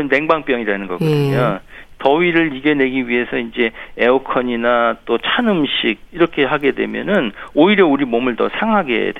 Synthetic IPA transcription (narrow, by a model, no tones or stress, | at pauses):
ɯnːe̞ŋbaŋp͈jʌŋiɾanɯnɡʌ̰ɡʌdɯɯɲotʌɥiɾɯɾiɡene̞ɡiɥiɦe̞sʰʌind͡ʑe̞eokʰʌɲinat͈ot͡ɕʰanɯmɕʰiɡ̚iɾʌkʰe̞ɦaɡe̞dwe̞̰mjʌ̰nɯnoiɾjʌuɾimomɯɭtʌ̰sʰaŋɦaɡe̞̰d